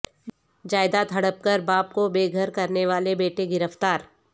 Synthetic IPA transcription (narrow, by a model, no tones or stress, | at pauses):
d͡ʒaːɪd̪aːt̪ɦɐɽəp̚kəɾbaːp̚kobeːɡʱəɾkɐɾneʋaːlebeːʈeɡɪɾəft̪aːɾ